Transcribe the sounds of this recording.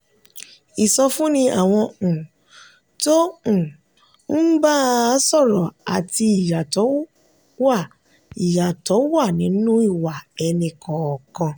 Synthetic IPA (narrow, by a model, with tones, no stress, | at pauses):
i˨sɔ˧fũ˦nĩ˧ʔa˨w̃ɔ̃˧ũ˨ | tõ˦˨ | n̩˦ba˦sɔ˦˨ɾɔ˨a˨ti˧i˨ja˨tɔ˨˦ | wa˦˨ | i˨ja˨tɔ˨˦wa˦˨nĩ˨˦nũ˦i˦˨wa˨ɛ˧nĩ˧kʰɔ̃˨kã˧